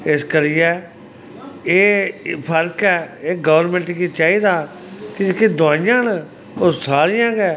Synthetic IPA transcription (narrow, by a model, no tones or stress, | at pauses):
ɪskəɾiːɛː | eːpʰəɾkɛːeːɡəʋɾmɛ̃ɳʈːkiːt͡ʃaːiːd̪aː | kɪd͡ʒekeːd̪ʊãːɪjãːn | oːsaːɾɪjãːɡɛː